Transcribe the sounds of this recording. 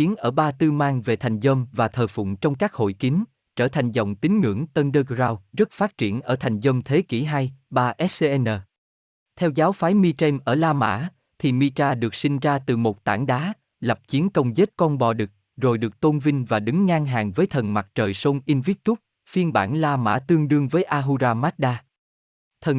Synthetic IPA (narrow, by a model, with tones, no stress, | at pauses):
i˨˦ənʔəː˧˩ɓaː˧t̪ɨ˧maː˧ŋve˨˩t̪ʰa˨˩jŋ̟zəː˧mvaː˨˩t̪ʰəː˨˩jfʊ̰˧˨ŋ͡mt͡ɕɔ˧wŋ͡mkaː˦˥k̚ho̰˧˨jki˨˦ŋ | t͡ɕəː˧˩t̪ʰa˨˩jŋ̟zɔ̰˧˨wŋ͡mt̪ï˨˦ŋŋɨ̰˧˥əŋt̪ə˧nɗəː˧ɡzaː˧wzə˦˥t̚faː˦˥t̚t͡ɕi˧˩ənʔəː˧˩t̪ʰa˨˩jŋ̟zə˧mt̪ʰe˨˦kḭ˧˩ɦa˧jɓaː˧ʔɛ˦˥e˧ʔɛ˧nəː˨˩ | t̪ʰɛ˧wzaː˨˦wfaː˨˦jmi˧t͡ɕɛ˧mʔəː˧˩laː˧ma̰ː˧˥ | t̪ʰi˨˩mi˧t͡ɕaː˧ɗɨ˨˩ək̚sï˧ŋ̟zaː˧t̪ɨ˨˩mo˨˩t̚t̪a̰ː˧˩ŋɗaː˨˦ | lə˨˩p̚t͡ɕi˨˦ənkə˧wŋ͡mze˦˥t̚kɔ˧nɓɔ˨˩ɗɨ˨˩k̚ | zo˨˩jɗɨ˨˩ək̚t̪o˧nvï˧ŋ̟vaː˨˩ɗɨ˨˦ŋːaː˧ŋɦaː˨˩ŋvəː˨˦jt̪ʰə˨˩nma˨˩t̚t͡ɕəː˨˩jso˧nʔi˧nvi˦˥k̚t̪u˦˥k̚ | fi˧ənɓa̰ː˧˩nlaː˧ma̰ː˧˥t̪ɨ˧əŋɗɨ˧əŋvəː˨˦jʔaː˧ɦu˧zaː˧maː˦˥t̚ɗaː˧ | t̪ʰə˨˩n